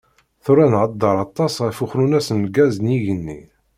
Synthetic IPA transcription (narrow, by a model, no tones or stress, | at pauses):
θʊɾænʕəd̪ːəɾˤɑt̪ˤːɑsʁæfuxɾunæsənɡæznjiʝənːḭ